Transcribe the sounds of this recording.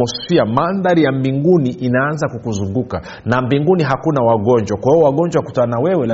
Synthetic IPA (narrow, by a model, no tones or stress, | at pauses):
ɔsfiamanðaɾijambiŋɡuniʔinaanzakukuzuŋɡuka | nambiŋɡuniɦakunawaɠɔɲd͡ʒwakwahiɔwaɠɔɲd͡ʒwaku̥tanawɛwɛl